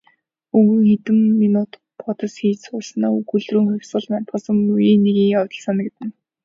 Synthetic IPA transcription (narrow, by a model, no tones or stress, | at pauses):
ɵɣɵ̆ŋxet̪ɘ̆mːinʊt̪ | pɔt̪ɞ̆sxiːsʊɮsnaːukɵɮrŭːŋxʊw̥ʲsɢə̆ɮmant̪χɢə̆sə̆mujiːneɣiːŋɔt̪ɞ̆ɮsanə̆kt̪ɘ̆n